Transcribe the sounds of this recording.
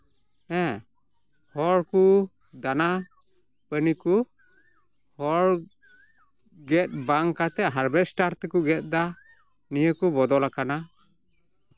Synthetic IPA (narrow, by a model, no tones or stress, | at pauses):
ɛ̃ | hɔɾku | d̪ana | pəniku | hɔɾ | ɡɛt̪̚baŋkat̪ɛʔɦaɾbɛsʈaɾt̪ɛkuɡɛt̪̚ˀd̪a | nijəkubɔd̪ɔlakana